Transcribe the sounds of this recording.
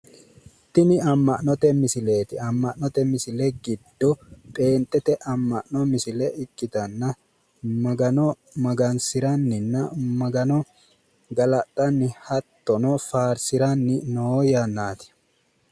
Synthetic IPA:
t̪ːɪnɪɐmːɐʔnɔt̪ɛmɪsɪle̞ːt̪ɪɐmːɐʔnɔt̪ɛmɪsɪlɛɡɪd̪ːɔpʼe̞ːnt̪ʼːɛt̪ɛʔɐmːɐʔnɔmɪsɪlɛɪkʼːɪt̪ɐnːɐ | mɐɡɐnɔ | mɐɡɐnsɪɾɐnːɪnːɐmɐɡɐnɔ | ɡɐlɐt̪ʼːɐnːɪhɐt̪ːɔnɔfaːɾsɪɾɐnːɪnoːjanːaːt̪ɪ̥

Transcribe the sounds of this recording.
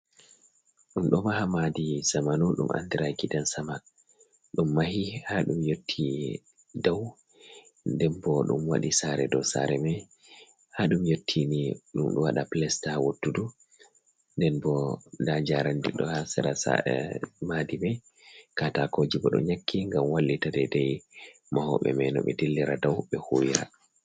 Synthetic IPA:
ɗumɗɔmahamadisamanuɗṵmʔa̰ndiɾajkidansaman | ɗumːahihaɗumjotʰːi | daw | ndɛnbɔɗṵmwa̰ɗisaɾɛdɔsa̰ɾɛmɛ | haɗumjotʰːiniɗumɗṵwaɗaplɛstawotːudu | ndɛnbɔdad͡ʒaɾandiɗɔhasɛɾasa̰madimɛ | katakod͡ʒibɔɗɔ̰ɲakːiŋɡamwalːitadɛdɛj | mahɔ̰ɓɛ̰mɛnɔ̰ɓɛ̰delːiɾadawɓɛhuːwiɾa̰

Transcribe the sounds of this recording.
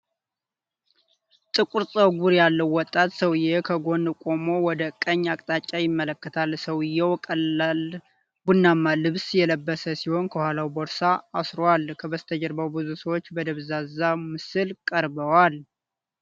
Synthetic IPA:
t̪ʼɨkʼuɾsʼəwɡʷuɾjalːəwːɔt̪ʼːat̪səwɨjekʰəɡo̞nkʼo̞mo̞wɔd̪əkʼːəɲːakʼt̪ʼat͡ʃʼːajɪmːələkːət̪ʰalsəwɨjɛwkʼəal | b̥unːamːalɨβsjɛləbːəsəsiho̞nkʰəhʷalawboɾsaːsɾowalkʰəbəst̪ʰəd͡ʒəɾbəwbɨzusəwot͡ʃːbəd̪əβzazamɨsɨlkʼəɾbəwal

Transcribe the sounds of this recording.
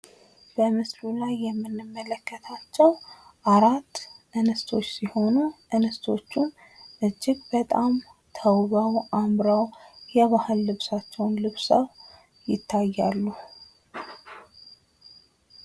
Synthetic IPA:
b̥əmɨslulajːɛmːɨnːɨmːələkːət̪ʰat͡ʃːɛwʔaɾat̪ːʔɨnəst̪ʰo̞t͡ʃːsiho̞nuʔɨnəst̪ʰo̞t͡ʃːun | ʔɨd͡ʒːɪɡ̚bət̪ʼam | t̪ʰəwβawʔamɾawjɛβahɨlːɨβsat͡ʃːɛwnlɨβsəw | jɪt̪ʰːajːalːu

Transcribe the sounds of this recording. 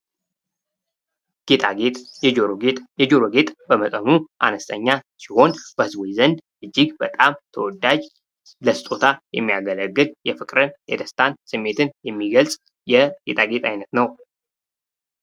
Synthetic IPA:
ɡ̥e̞t̪ʰʼaɡet̪ʼet̪jɛd͡ʒoɾoɡet̪ʼbəmət̪ʼənuʔa̰nəst̪ʰʼəɲːasiho̞nb̥əhɨzbojzənd̪ʔɨd͡ʒːiɡbət̪ʼamt̪ʰəwɔd̪ːad͡ʒ | ləsɨt̪ʼot̪ʰajɛ̰mːiaɡələɡːɨljɛfɨkʼɾɨnjɛd̪əst̪ʰansɨmːe̞t̪ʰɨnjɛmːiɡəlsʼ | jɛɡ̥e̞̰t̪ʰʼaɡe̞t̪ʼajnət̪nəw

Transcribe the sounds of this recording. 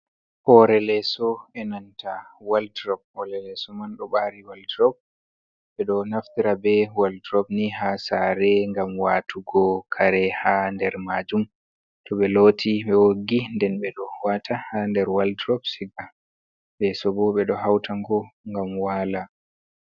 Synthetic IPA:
hɔɾɛlɛsɔɛnantʰawaldɾɔb̚hɔlɛlɛsɔmanɗɔɓaɾiwaldɾɔb̚ | ɓɛɗɔnaftiɾabɛwaldɾɔbniɦasaɾɛŋɡamwaːtʰuɡɔkʰaɾɛhandɛɾmad͡ʒum | tɔɓɛlotʰiɓɛwoɡindɛnɓɛɗɔwatʰahandɛɾwaldɾɔbsiɡa | lɛsɔbɔɓɛɗɔhawtʰaŋɡɔŋɡamwala

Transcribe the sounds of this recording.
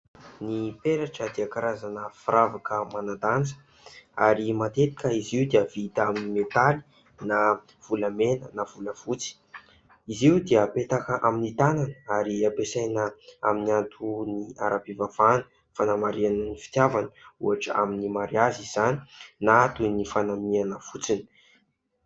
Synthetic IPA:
nipeɾaʈ͡ʂəd̪iakaɾazanəfiɾavakəmanad̪and͡zə̥ | aɾimat̪et̪i̥kʲəiziud̪iavit̪aminimet̪ali̥ | na | v̥uləmenənav̥uləv̥ut͡si̥ | iziud̪eəpet̪akəʔaminit̪ananəaɾiapesajnəa̰miniant̪ʰuniaɾapivav̥anə̥ | fanamaɾianənifi̥t̪javanəṵaʈ͡ʂəa̰minimaɾiaziz̥ani̥nat̪unifanaminianəfut͡sini̥

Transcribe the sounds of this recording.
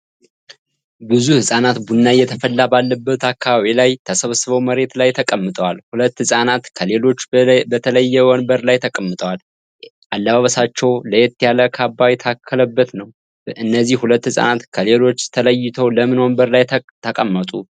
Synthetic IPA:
bɨzuhɨsʼanat̪bunːajɛt̪ʰəfəlːabalːəbːət̪akʰːaβaβilajt̪ʰəsəβsɨβəwməɾe̞t̪lajt̪ʰəkʼəmːɨt̪ʼəwalhulət̪ːhɨsʼanat̪kʰəle̞lo̞t͡ʃːbət̪ʰələjːɛwɔnbəɾlajt̪ʰəkʼəmːɨt̪ʼəwal | ʔalːəβaβəsat͡ʃːɛwləjɛt̪ːijaləkʰabːajɛt̪ʰakʰːələbːət̪nəw | ʔɨnːəzːihhulət̪ːhɨsʼa̰nat̪kʰəle̞lo̞t͡ʃːt̪ʰələjːɪt̪ʰəwləmɨnwonbəɾlajt̪ʰəkʼəmːət̪ʼu

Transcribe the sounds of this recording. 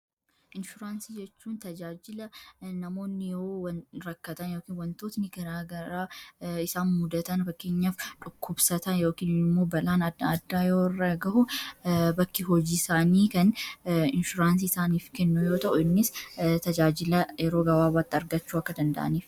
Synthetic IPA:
ʔɪnʃʊɾaːnsiːd͡ʒɛt͡ʃːuːnt̪ɐd͡ʒaːd͡ʒɪlɐnɐmo̞ːnːɪjowɐɾɐkːɐt̪ɐnjo̞ːkiːnwɐnt̪oːt̪nɪɡɐɾaːɡɐɾaːɪsaːnmʊd̪ɐt̪ɐnbɐkːeːɲːaːfᶑʊkʰːʊbsɐt̪ɐnjo̞ːkiːnɪmːo̞ːbɐlaːnɐdɐd̪ːaːjoːɪrːɐɡɐʔʊbɐkːɪɦɔd͡ʒiːɪsaːniːkɐnɪnʃʊɾaːns̬iːɪsaːniːfkɛnːujo̞ːt̪ɐʔʊɪnːɪst̪ɐd͡ʒaːd͡ʒɪlɐjɛɾo̞ːɡɐwaːbaːt̪ːɪɐɾɡɐt͡ʃːuːɐkːɐd̪ɐnd̪ɐ̰ʔɐ̰niːf

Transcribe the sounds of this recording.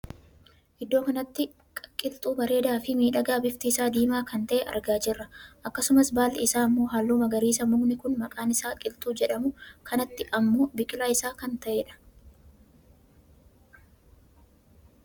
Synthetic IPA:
ʔɪd̪ːo̞ːkɐnɐt̪ːɪ | kʼɐkʼɪlt̪ʼuːbɐɾe̞ːd̪aːfɪmiːᶑɐɡaːbɪft̪ɪɪsaːd̪iːmaːkɐnt̪ɐʔɛʔɐ̰ɾɡaːd͡ʒɪrːɐʔɐkːɐsʊmɐsbaːlɪsaːɐmːo̞ːɦaːlːuːmɐɡɐɾiːsɐmʊɡnɪkʊnmɐkʼaːnɪsaːkʼɪlt̪ʼuːd͡ʒɛᶑɐmʊkʰɐnɐt̪ːɪʔɐmːo̞ːbɪkʼɪlaːɪsaːkɐnt̪ɐʔeːᶑɐ̥

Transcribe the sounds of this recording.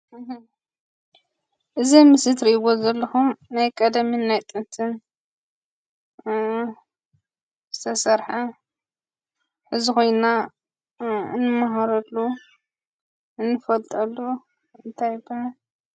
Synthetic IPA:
ʔɨzimɨsɨt̪ɾiʔβozɐlːɐxumnajkʼɐd̪ɐminajt̪ʼɨnt̪ʰɨn | zɨt̪ʰɐsɐɾħa | ħɨzixo̞jna | ɨ̰nːɨmaɦaɾɐlːu | ʔɨnːɨfɐlt̪ʼɐlːu | ɨnt̪ʰajbɐ

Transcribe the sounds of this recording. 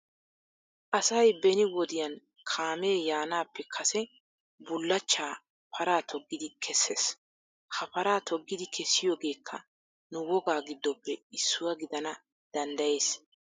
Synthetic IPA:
ʔɐsɐjbɛnɪwɔd̪ɪjɐn | kʰaːme̞ːjaːnaːpːɛkʰɐsɛ | bʊlːɐt͡ʃːaː | pʰɐɾaːt̪ʰɔɡːɪd̪ɪkʰɛsːeːs | hɐpɐɾaːt̪ʰɔɡːɪd̪ɪkʰɛsːɪjoːɡe̞ːkʰːɐ̰ | nʊwɔɡaːɡɪd̪ːɔpːɛɪsːʊwɐɡɪd̪ɐnɐ | d̪̥ɐnd̪ɐje̞ːs

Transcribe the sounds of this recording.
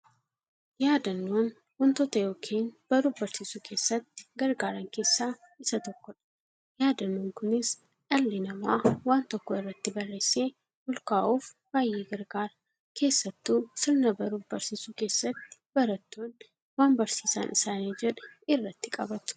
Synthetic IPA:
jaːd̪ɐnːoːn | wɔnt̪ɔt̪ɐjo̞ːkʰeːnb̥ɐɾuːfbɐɾsiːsuːkʰe̞ːsːɐt̪ːɪ̥ɡɐɾɡaːɾɐŋke̞ːsːaː | ɪsɐt̪ɔkːɔᶑɐ̥ | jaːd̪ɐnːoːŋkʊnɪs | ɐlːɪnɐmaːwaːnt̪ɔkːɔɪrːɐt̪ːɪbɐrːeːseː | bʊlkaːʔuːf | b̥aːjeːɡɐɾɡaːɾ | kʰe̞ːsːɐt̪ːuːsɪlnɐbɐɾuːbɐɾsiːsuke̞ːsːɐt̪ːɪ̥bɐɾɐt̪ːon | waːnbɐɾsiːsa̰ːnʔɪsaːneːd͡ʒɛᶑɪrːɐt̪ːɪkʼɐbɐt̪ʊ̥

